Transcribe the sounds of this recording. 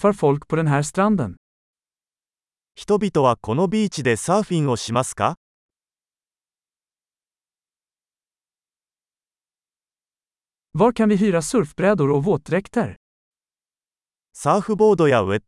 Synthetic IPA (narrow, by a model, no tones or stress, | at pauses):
faɾfɔlkpʰɔd̪ɛnɦæːɾst̪ɾand̪ə̰n | çi̥t̪o̞bʲit̪o̞βako̞nobʲiːt͡ɕid̪e̞saːɸĩŋo̞ɕimasɨ̥ka̰ | vaɾkʰanvɪɦyːɾasɵɾfbɾɛːd̪ʊɾɔvoːt̪ɾɛkt̪əɾ | saːɸɯ̟bo̞ːd̪ojae